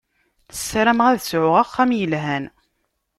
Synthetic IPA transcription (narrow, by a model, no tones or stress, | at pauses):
θə̥sːɾæmʁæðsʕʊʁæχːæmjəlɦæn